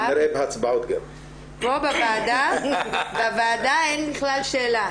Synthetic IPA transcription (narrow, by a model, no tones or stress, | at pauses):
ɾebhat͡sbaʊtɡɛv | bobavaːda | bavaːdaenbɪχlalʃeːla